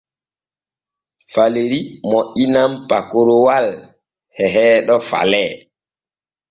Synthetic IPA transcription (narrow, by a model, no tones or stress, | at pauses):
faleɾimoʔinampakoɾowal | hɛɦɛːɗɔfa̰lɛ